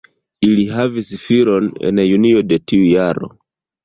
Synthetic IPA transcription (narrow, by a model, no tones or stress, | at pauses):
iliɦavisfiɾonḛnajunio̞de̞tiujaɾo̞̰